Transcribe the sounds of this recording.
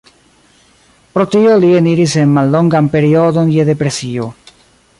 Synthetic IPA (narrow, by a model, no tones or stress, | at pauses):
pɾotio̞lieniɾise̞nmalːo̞ŋɡanpe̞ɾio̞d̪onjede̞pɾe̞sio̞